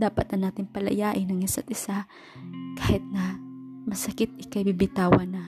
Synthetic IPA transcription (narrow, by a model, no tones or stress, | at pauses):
d̪aːpɐt̪ɐnaːt̪ɪŋpɐlɐ̰jaːʔɪnɐŋɪsɐ̰t̪̚ɪsa | kaːhɪt̪̚nɐmɐsɐkɪt̪̚ʔɪkajbibɪt̪aːwɐnɐ